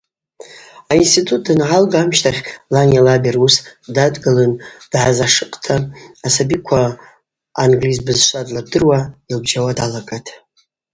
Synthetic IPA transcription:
ainstʰitʰʼut̚ʰʼdɨnʕalɡaːmʃtʰaχʲlanalaberusdadɡalɨnd̥ʕazaʂɨqʼtʰaːsabikʷʰaː | nɡlizbɨzʃʷadlab̚dɨrwailbd͡ʒawadalakʼatʼ

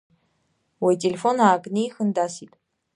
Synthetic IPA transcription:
wɔjtʼelʲefonaːkʼnijxɨnd̪aːsitʼ

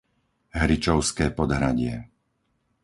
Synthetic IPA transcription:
ɦɾit͡ʃɔʊskɛːpɔd̪ɦɾaɟɪɛ

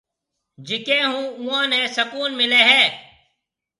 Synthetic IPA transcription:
d͡ʒɪkẽːɦũːʊãːnẽːsəkuːnmɪleːɦɛ̃ː

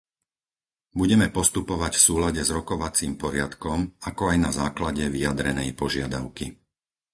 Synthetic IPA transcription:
buɟɛmɛpɔst̪upɔʋacfsuːlaɟɛzɾɔkɔʋat͡siːmpɔɾɪat̪kɔmakɔajnazaːklaɟɛʋijad̪ɾɛnɛjpɔʒɪad̪aʊki

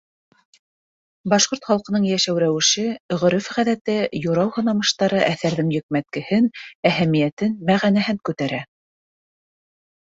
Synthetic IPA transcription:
bɑʃqoɾt̪χɑlˠqɤ̆nɤɴjæʃæwɾæwɘ̆ʃɘ̆ʁɵ̆ɾɘfʁæðæt̪ɘjŏɾɑwhŏnɑmɤ̆ʃt̪ɑɾɤʔæθæɾðɘŋjɵ̆k̚mæt̪̚kɘ̆hɘnæhæmijæt̪ɘnmæʁænæɦɘŋkʉt̪æɾæ

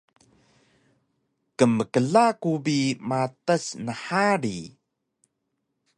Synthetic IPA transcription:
kəməkəɮakubimatəsnəħaɾi

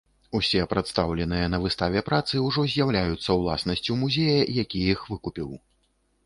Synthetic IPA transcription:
usʲɛpɾat̪st̪awlʲɛnɨjɐnɐvɨst̪avʲɛpɾat̪sɨwʐɔzʲjawlʲajut̪sːɐwlˠa̰snɐsʲt͡sʲuwmuzʲejɐjakʲijixvɨkupʲiw

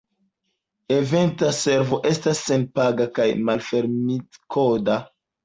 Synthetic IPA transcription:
e̞ve̞ntase̞ɾvo̞ʔe̞stasːenpaɡakajmalfe̞ɾmikʰoda

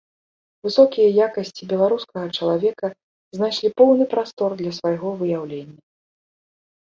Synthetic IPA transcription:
vɨsɔkʲijɐjakɐsʲt͡sʲibʲɛlˠaɾuskɐɣɐt͡ʂɐlˠavʲɛkɐ | znaʂlʲipɔwnɨpɾast̪ɔrd̪lʲɐsvajɣɔvɨjawlʲenʲːɐ

